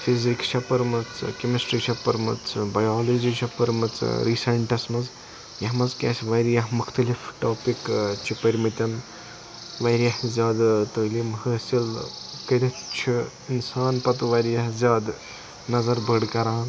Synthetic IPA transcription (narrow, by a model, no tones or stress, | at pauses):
fʰizikʃʰɐpɐɾmɐt͡sɨkɐmɐsʈɾikʃɐpɐɾmɐ̰t͡sʰɨbɐjaːlod͡ʒiʃʰɐpɐɾmɐt͡sɾisɐɳʈɐsmɐz | jɐɦmɐzkʲɐːsʋɐːɾjɐɦmuxʰt̪ɐlifʰʈoːpikt͡ʃʰipɐɾʲmit̪ʲɐn | ʋɐɾjɐhzʲaːd̪t̪oːlimhəsilkɐɾɐt͡ʃʰi | insaːnpɐt̪ʋɐɾjɐhzʲjaːd̪ | nɐzɐɾbʱəɽkɐɾaːn